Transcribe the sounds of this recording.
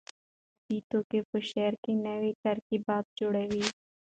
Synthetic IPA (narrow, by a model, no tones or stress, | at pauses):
piːt̪õːkepʊʃɛːɾkinɛʋiʈɐɾkibaːt̪̚d͡ʒʊɽeːwiː